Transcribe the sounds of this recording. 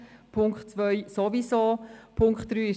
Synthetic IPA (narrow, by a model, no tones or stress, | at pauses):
pʰʊŋkχtt͡sʋœjsoʋisoːpʰʊŋkχt̚d̥ɾyːɪʃ